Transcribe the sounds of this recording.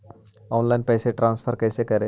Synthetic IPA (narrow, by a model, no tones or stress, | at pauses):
ɔːnlaɪnpɐjseʈɾãːnsfʰəɾkɐjsekɐɾe